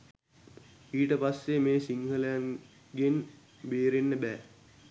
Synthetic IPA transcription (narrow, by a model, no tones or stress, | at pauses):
iːʈəpasːemeːsiŋɦələjaŋ | ɡen | beːɾenːəbæː